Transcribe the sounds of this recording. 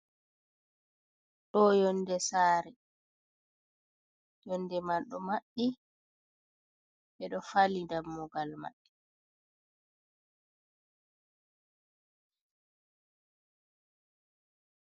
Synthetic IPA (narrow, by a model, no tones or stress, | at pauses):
ɗɔjɔndɛsaːɾɛ | jɔnːdɛmalɗɔmaɗi | ɓɛɗɔfalindamːɔɡalma̰ɗːɛ